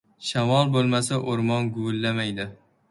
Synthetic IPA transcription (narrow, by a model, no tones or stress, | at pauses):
ʃamɒlˠbolˠmasaʔoɾmɒnɡʊwɪlːamajd̪ɪ